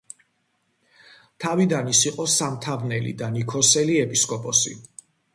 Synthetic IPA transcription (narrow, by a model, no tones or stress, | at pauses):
t̪ʰavid̪anisiqʼɔsamt̪ʰavnɛlḭd̪anikʰɔsɛliɛpʼiskʼɔpʼɔsḭ